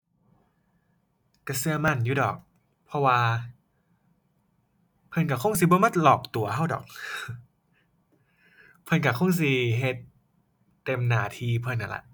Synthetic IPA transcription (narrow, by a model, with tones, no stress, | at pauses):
ka˧˩sɯ˧ɐ˨ma˧˥˩njuː˧˩dɔ̰ː˨˩k̚ | pʰɔ˧waː˧ | pʰɤ˧nka˧˩kʰo˧˥˩ŋs̬i˧˦bɔ˧˦ma˧˥˩t̪̚lɔː˨˩k̚t̪u˨˩ɐhɦa˧˥˩wdɔ̰ː˨˩k̚ | pʰɤ˧nka˧˩kʰo˧˥˩ŋs̬i˧˦ɦe˧˦t̪̚ː | e˧mnaː˨˩t̪ʰiː˧pʰɤ˧˩nːʔa̰˧˩la̰˧ʔ